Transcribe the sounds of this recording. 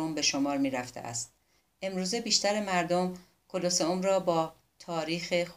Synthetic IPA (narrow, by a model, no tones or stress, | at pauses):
ombe̞ʃomɒːɾmiːɾæft̪ʰḛʔæ̰st̪̚ | e̞mɾuːze̞biːʃt̪æɾemæɾd̪om | kʰoloseomɾɒːbɒː | t̪ʰɒːɾiːxex